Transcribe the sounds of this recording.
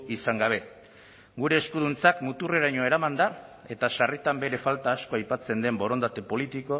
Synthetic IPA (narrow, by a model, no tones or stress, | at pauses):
isaŋɡaβ̞e̞ | ɡuɾe̞ːskuðunt͡sakmut̪ure̞ɾaɲo̞e̞ɾamand̪a | e̞t̪aʃarit̪ambe̞ɾe̞falt̪aːsko̞ajpat͡se̞nd̪e̞mbo̞ɾo̞nd̪at̪e̞po̞lit̪iko̞